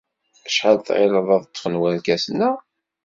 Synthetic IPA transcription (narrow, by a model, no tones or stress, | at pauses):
æʃħəlθʁɪ̰ləðˤɑðˤt̪ˤːfənwæɾkæsnːə